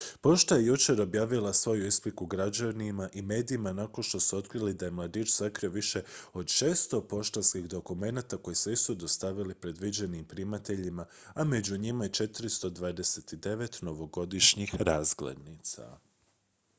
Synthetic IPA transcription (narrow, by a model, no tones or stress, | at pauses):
po̞ʃt̪ajejut͡ʃe̞ɾo̞bjaːʋilˠasʋo̞juisplikuɡɾad͡ʑanimaʔime̞ːd̪iːmanako̞nʃt̪o̞suo̞t̪kɾilid̪aje̞mlˠad̪iːt͡ʃsakɾio̞ʋiʃe̞o̞d̪ʃeːst̪o̞po̞ʃt̪anskixd̪o̞kume̞nat̪ako̞jisisud̪ost̪aʋilipɾe̞d̪ʋid͡ʑe̞nimpɾimat̪e̞ʎima | ame̞d͡ʑuɲimajet͡ʃe̞t̪ɾist̪o̞d̪ʋaːd̪e̞set̪id̪e̞ʋe̞t̪no̞ʋo̞ɡo̞d̪iʃɲixɾaːzɡlḛd̪nit̪sa̰